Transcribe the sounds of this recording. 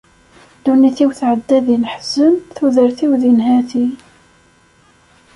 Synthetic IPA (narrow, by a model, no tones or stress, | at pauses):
d̪uniθiwθʕəd̪ːæðinħz̥əmθuðəɾθiwðinɦæθi